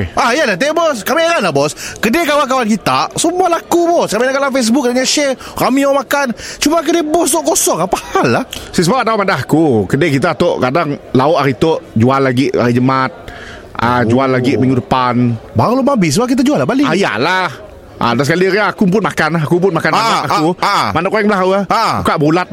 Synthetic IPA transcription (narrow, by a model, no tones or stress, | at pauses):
ʔajalat̪ebɔskamiɾanlabɔskədekawak̬awank̬it̪asəmualakubɔskaminakalaŋfes̬bʊk̚daɲaʃɛ | ramiomakant͡ʃumak̬ədebɔs̬t̪ɔʔkosɔŋapahalːahsisəbapat̪amadaɦakukədekit̪at̪oʔkadaŋlaʊʔaɾit̪oʔd͡ʒualːaɡiʔa̰ɾid͡ʒəmat̪̚ | ʔad͡ʒualːaɡimiŋɡudəpanbaɣlomabɪs̬əbak̬it̪ad͡ʒualːahbaliaja̰lah | ʔadasəkaliɾaːkumpʊnmakanaɦakump̬ʊnmakananaʔakumanaʔkoɛŋbəlaɦauabukaʔbulat̪̚